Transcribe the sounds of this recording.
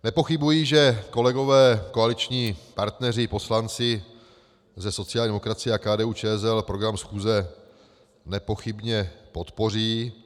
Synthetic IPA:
nɛpo̞xɪbujiːʒɛko̞lɛɡo̞vɛːko̞alɪt͡ʃɲiːpaɾt̪nɛr̝ɪpo̞slant͡sɪ | zɛso̞t͡sɪalɲd̪ɛmokɾat͡sɪjɛakaːdɛːuːt͡ʃɛːɛzɛlpɾo̞ɡɾamsxuːzɛ | nɛpo̞xɪbɲɛpo̞t̪po̞r̝iː

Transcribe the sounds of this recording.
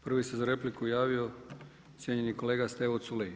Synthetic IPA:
pr̩ʋisezaɾe̞plikujaːʋio̞ | sʲjeɲe̞niko̞le̞ːɡast̪eʋot̪sule

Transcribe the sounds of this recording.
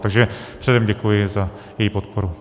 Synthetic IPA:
aɡʒɛpr̥ɛdɛmɟɛkujɪza | jɛjiːpot̪̚poɾu

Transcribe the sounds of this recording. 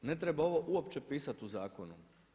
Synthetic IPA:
ne̞t̪ɾebao̞ʋo̞ʔuopt͡ʃe̞piːsat̪uzaːko̞nṵ

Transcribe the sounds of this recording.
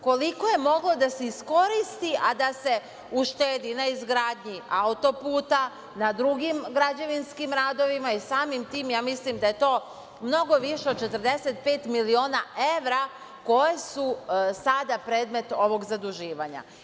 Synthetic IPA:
ko̞liko̞je̞mo̞ɡlo̞d̪aseisko̞ɾist̪iʔad̪ase̞ | uʃt̪eːd̪inaizɡɾaːd̪ɲiaut̪o̞puːt̪a | nad̪ɾuɡimɡɾad͡ʑaʋinskimɾaːd̪o̞ʋimaisaːmimt̪iːmjaːmislimd̪aje̞t̪o̞ː | mno̞ɡo̞ʋiʃeo̞d̪̚t͡ʃe̞t̪ərd̪e̞set̪̚pe̞ːt̪milio̞ːnaʔe̞ʋɾa | ko̞je̞susad̪apɾe̞ːd̪me̞t̪o̞ʋo̞ɡzad̪uʒiːʋaɲa̰

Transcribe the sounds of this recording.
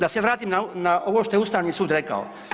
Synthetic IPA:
d̪aseʋɾaːt̪imnanaʔo̞ʋoʃt̪o̞jeust̪aːʋniːsuːd̪ɾe̞ka̰o̰

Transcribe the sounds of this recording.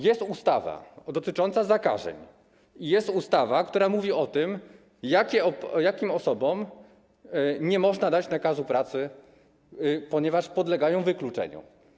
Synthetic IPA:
jɛst̪ust̪ava̰d̪ɔt̪ɘt͡ʂɔnt̪sazaka̰ʐɛ̰ɲ | ijɛst̪ust̪avakt̪uɾamuvʲiɔt̪ɘm | jakʲɛɔjakʲimɔsɔbɔm | ɲɛmɔʐnad̪at͡ɕnakazupɾat̪sɘ | pɔɲɛvaʂpɔd̪lɛɡajɔ̃w̃vɘklut͡ʂɛ̰ɲṵ

